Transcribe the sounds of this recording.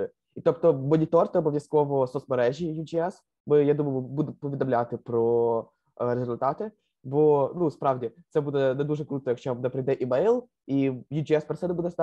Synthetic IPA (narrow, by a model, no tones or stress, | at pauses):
it̪okt̪omənʲɪt̪ort̪opəvʲɪskovososmɐɾɛʒʲɪjʊd͡ʒɪɛs | mɨjad̪uməjʊmɨbud̪ʊpəvʲɪd̪ɐmlʲat̪ɨpɾo | ɾʲɪzʲʊlʲt̪at̪ɨ | vonuspɾavdʲɪsɛbud̪ənɐd̪uʐəkɾut̪əəkt͡ɕɛmnɐpɾʲɪd̪ɛʔɪmɛjlˠ | ijʊd͡ʒɪɛspɾɐt̪sʲɛd̪əbud̪ɪt̪st̪a